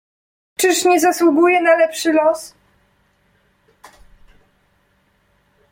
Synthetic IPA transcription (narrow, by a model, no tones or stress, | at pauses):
t͡ʂɘʂɲɛzaswuɡujɛnalɛpʂɘlɔs